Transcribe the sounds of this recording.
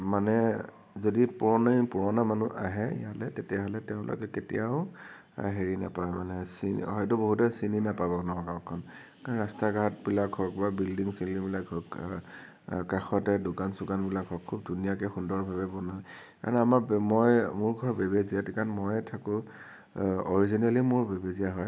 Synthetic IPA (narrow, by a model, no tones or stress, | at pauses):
manɛ | zodipuɹɔnipuɹɔnamanuʔaɦɛ̰jalɛtetɛaɦɔlɛtɛʊ̃lʔɔ̰kɛketḭjaʊ | ɦeɹina̰pajmanɛsin̰ɦɔjtʊboɦutɛsininapabɔnɔɔ̃kaɹkʰɔn | kanɹastaɡaatbilakɦɔk̚babildiŋsilibilakhɔk | kaxɔtɛdʊkansukanbilakɦɔkʰːub̚dʱunijakɛxundɔɹbʱabɛbɔnaj | ka̰ɹnamamɔjmʊɹɡʱɔɹbebeziatikanmɔjɛtʰakʊ̃ | ɔɹizinalimʊɹbebeziaɦɔj